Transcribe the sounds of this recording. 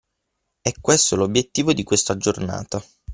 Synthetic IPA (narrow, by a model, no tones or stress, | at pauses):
ɛkːwest̪olobjet̪ːiːvod̪ikwest̪ad͡ʒorna̰ːt̪a